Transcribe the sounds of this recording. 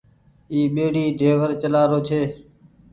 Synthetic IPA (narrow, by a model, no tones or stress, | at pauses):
iːɓeːɽiːɖʱeːʋəɾt͡ʃəlaːɾoːt͡ʃʰeː